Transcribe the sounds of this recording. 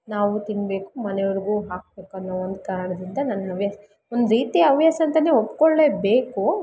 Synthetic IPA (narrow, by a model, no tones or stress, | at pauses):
naːʋut̪iɳbe̞ːkumɐnɛjɐɾiɡuːɦaːk̚be̞ːkɐnːɐond̪kaːɾɳɐd̪ɾind̪ɐnɐnːɐɐʋjaːsɐ | ond̪ɾiːt̪iɐɐʋjaːsɐnt̪ɐneopːkoɭːe̞ːbe̞ːku